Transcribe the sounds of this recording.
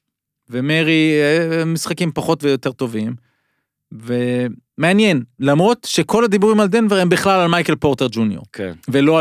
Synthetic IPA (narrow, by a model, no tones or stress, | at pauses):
vemeʁi | misχakimpaχo̞t̪vejo̞te̞ʁt̪o̞vim | ve | me̞anjenlamʁo̞t̪ʃekʰo̞lad̪ibuʁimald̪enveʁe̞mbiχlalalmajkelpo̞ʁt̪e̞ʁd͡ʒunjo̞̰ʁkʰḛnvelo̞a